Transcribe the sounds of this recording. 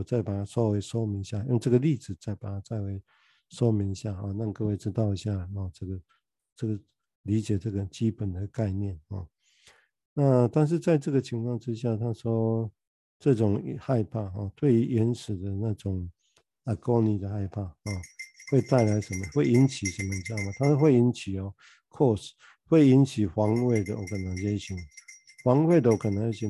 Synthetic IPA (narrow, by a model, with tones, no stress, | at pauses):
t͡sa˥˩ɪpa˨˩t̪ʰa˥ʂwɔ˥we˧˥ɪʂwɔ˦mi˧˥ŋ˧ɕja˥˧jŋʈ͡ʂə˥˩ɡə˩li˥˨d͡zɹ̩˨˩t͡sa˥˩ɪpa˨˩t̪ʰa˦˥t͡sa˥˩ɪwe˧˦ɪ | ʂwɔ˦mi˧˦ŋi˧ɕja˥˩ɦɔ˥˨na˥˧ŋkɤ˥˧we˥˩ɪʈ͡ʂɻ̩˥t̪ɑ˥˩ʊi˨˥ɕja˥˩hɔ˨ʈ͡ʂə˥˩ɡə˩ | ʈ͡ʂə˥˩ɡə˨˩ | li˧˥t͡ɕjɛ˨˩ʈ͡ʂə˥˩ɡə˩t͡ɕi˦˥pə˨˩nd̪ə˩ka˥˧ɪnjɛ˥˨nhɔ̰˥˨˩ | na˥˨t̪a˥˧nʂ̬ɻ̩˥˧t͡sa˥˧ɪʈ͡ʂɤ˥˩ɡə˨˩t͡ɕʰi˧˥ŋkʰwɑ˥˧ŋʈ͡ʂɻ̩˦ɕja˥˩t̪ʰa˥ʂwɔ˦ | t͡sɤ˥˧ʈ͡ʂʊ˨˩ŋ˨ha˥˧ɪpʰa˥˧ɦɔ˥˨t̪we˥˩ɪy˧˥ʔɛ˧˦nʂɻ̩˨˩d̪ə˦na˥˧˨ʈ͡ʂʊ˨˩ŋ | a˨kɔ˥˦nĩ˨˩d̪ə˨ɦa˥˧ɪpʰa˥˧˩hɔ˥˨we˥˧ɪt̪a˥˩ɪla˧˦ɪʂə˨˧˦nmə˧hwe˥ɪi˧˦˥nt͡ɕʰi˨˩ʂə˧˦nmːə˧˨ʈ͡ʂ̩˧ja˥˨˩ma˨t̪ʰa˥˦ʂɔ˥˧xwe˥˩ɪi˧˦˥nt͡ɕʰi˨˩ɔ˨ | kʰɔ˥˨s | hwe˥˩ɪi˧˦nt͡ɕʰi˨˩xwɑ˧˥ŋwe˥˩ɪd̪ə̰˨wɔ˨˩kə˨na˨˦ŋje˥˩ɕi˧˥ŋ | hwɑ˧˦ŋwe˥˩ɪd̪ə˨wɔ˨˩kʰə˨nːa˨˦ɻe˥˩ɕi˧